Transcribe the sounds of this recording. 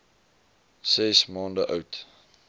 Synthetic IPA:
sɛsmɑːndəʔœwt

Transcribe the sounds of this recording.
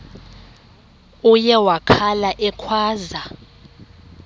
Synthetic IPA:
ujɛwakʰalaʔɛkʰwaːza

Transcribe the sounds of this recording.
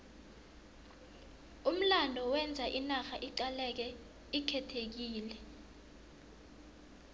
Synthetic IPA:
um̩landʱɔwɛnd͡zʱaʔinaxaʔiǃalɛk̬ɛ | ikʰɛtʰek̬iːlɛ

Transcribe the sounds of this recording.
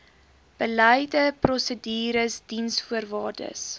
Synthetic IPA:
b̥ələjdəprɔsədiːɾəsdinsfuərvɑːrdə̰s

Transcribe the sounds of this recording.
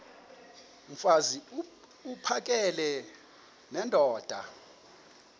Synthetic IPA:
m̩fazi | upʰak̬ʼɛlɛ | nɛndʱɔːd̥ʱa̰

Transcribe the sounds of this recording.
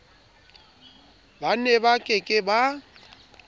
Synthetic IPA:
banɛbakʼɪkʼɪba

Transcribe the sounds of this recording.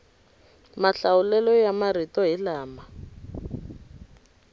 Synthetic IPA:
maɬaulɛlɔjamaritɔɦilaːma

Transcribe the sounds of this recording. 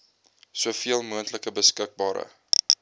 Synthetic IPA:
suəfiəlˠmuəntləkəbəskək̚bɑːɾə̰

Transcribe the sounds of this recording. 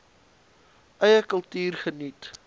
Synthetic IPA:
ʔəjəkəlˠtyːrχənit

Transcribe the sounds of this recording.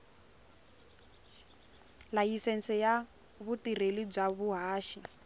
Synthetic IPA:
lajisɛnt͡sʰɛja | βutirelib͡ʐaβuɦaːʃi

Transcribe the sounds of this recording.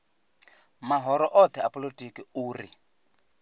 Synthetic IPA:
maɦɔɾɔʔɔt̪ʰɛa̰pʼɔlotʼikiuːri

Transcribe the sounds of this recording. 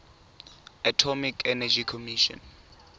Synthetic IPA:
atʰɔmikʰɛnad͡ʒikʰɔmiʃɔ̰n

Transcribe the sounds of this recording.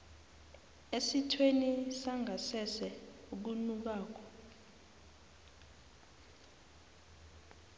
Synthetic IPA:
esitʰwenisaŋʱasɛsɛ | uk̬unuk̬aːk̬ɔ̥

